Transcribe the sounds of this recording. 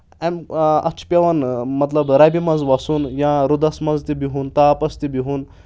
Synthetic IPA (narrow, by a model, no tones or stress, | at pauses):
ɛmɐ̰t͡ʃʰpʲeʋɐnmɐt̪lɐbɾabimɐnzʋɐsunjãɾud̪ɐsmɐnzt̪ibiɦunt̪aːpɐst̪ibiɦun